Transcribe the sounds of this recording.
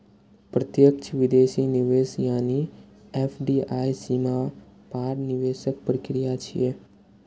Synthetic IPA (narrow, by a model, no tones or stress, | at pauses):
pɾət̪jəkt͡ʃʰʋɪd̪eːʃinɪʋeːsjaːniefʰɖiːʔaːjsima | paːɾnɪʋeːʃək̚pɾəkɾijat͡ʃʰḭe